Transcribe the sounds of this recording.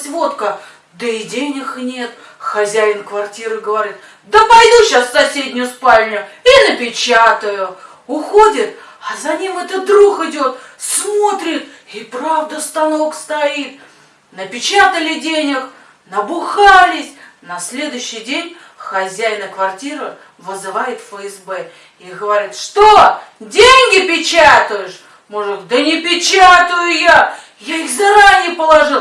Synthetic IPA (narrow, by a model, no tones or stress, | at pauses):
sʲvo̞t̪kə | d̪əɪdʲenʲɪxnʲe̞t̪ | xɐzʲæjɪnkvɐrtʲiɾɨɡəvɐɾʲit̪̚ | d̪əpɐjd̪uɕassɐsʲedʲnʲʊjʊspalʲnʲʊjʊinəpʲɪt͡ɕat̪əjʊ | ʊxo̞dʲɪt̪ | ɐzɐnʲimɛt̪əd̪ɾuxɪdʲo̞t̪smo̞t̪ɾʲɪt̪ipɾavd̪əst̪ɐno̞kst̪ɐit̪ | nəpʲɪt͡ɕat̪əlʲɪdʲenʲɪx | nəbʊxalʲɪsʲnɐsʲlʲe̞d̪ʊjʊɕːɪjdʲenʲ | xɐzʲæjnəkvɐrtʲiɾə | vɨzɨvajɪt̪fəɛsbɛ | iɡəvɐɾʲit̪ʂt̪odʲenʲɡʲɪpʲɪt͡ɕat̪ʊjʊʂ | moʐɡəd̪ənʲɪpʲɪt͡ɕat̪ʊjʊja | jaixzɐɾanʲɪjəpəlˠɐʐɨlˠ